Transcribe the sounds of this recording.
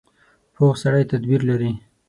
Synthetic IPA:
pʰoɣsaɽajt̪ad̪biɾlaɾi

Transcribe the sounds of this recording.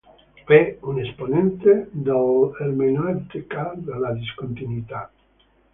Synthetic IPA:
ɛunesponẽnt̪ed̪aelmenant̪ikad̪elad̪iskont̪inwit̪a

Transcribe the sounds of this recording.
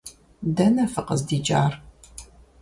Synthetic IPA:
dɐnɐfɨqəzdiːt͡ʃʼaːr

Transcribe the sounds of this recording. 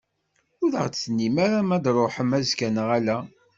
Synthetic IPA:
ʊðə̰ʁt͡sːnːimaɾamæd̪ɾˤoħəmæzkænəʁælæ

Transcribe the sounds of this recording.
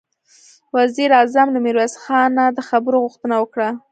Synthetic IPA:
waziɾɑzamlameɾwasxɑnad̪əxabəɾoɣʊxt̪ənawəkɽa

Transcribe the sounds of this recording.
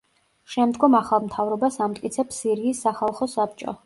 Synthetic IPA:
ʃɛmd̪ɡɔmaχalˠmt̪ʰavɾɔbasamt̪ʼkʼit̪sʰɛpsiɾiːsːaχalˠχɔsap̚t͡ʃʼɔ̰

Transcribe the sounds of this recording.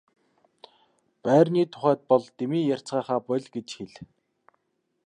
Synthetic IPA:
pæːrniːt̪ʰʊ̥χæːt̪̚pɔɮt̪emiːjar̥ʲt͡sɢaːχaːpɔɮʲɡet͡ɕxeɮ

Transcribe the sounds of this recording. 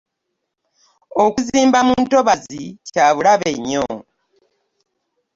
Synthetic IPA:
okuziːmbamunto̞βazicaːβulaβe̞ɲːo̰

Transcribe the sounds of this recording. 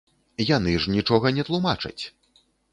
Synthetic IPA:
janɨʐnʲit͡ʂɔɣɐnʲɛt̪lˠumat͡ʂɐ̰t͡sʲ

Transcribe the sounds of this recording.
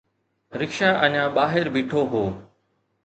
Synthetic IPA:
ɾɪkʃaːʔɐɲãːɓaːɦɪɾbiːʈʰoɦoː

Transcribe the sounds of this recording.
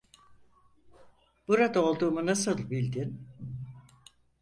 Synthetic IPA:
b̥uɾad̪aolˠd̪uːmunasɯlˠbilʲd̪in

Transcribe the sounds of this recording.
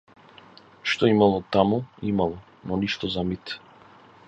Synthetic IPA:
ʃt̪ɔimalˠɔt̪amuimalˠɔ | nɔniʃt̪ɔzamit̪

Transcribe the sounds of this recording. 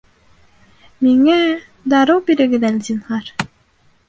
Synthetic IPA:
miŋæ | d̪ɑɾɤwbiɾɘ̆ɡɘd̪ælʲzinhɑɾ

